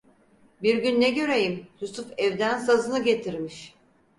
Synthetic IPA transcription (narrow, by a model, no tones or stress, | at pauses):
biɾɟynːɛɟø̞ɾe̞jimjusufɛvd̪ænsazɯnɯɟe̞t̪ʰiɾmiʃ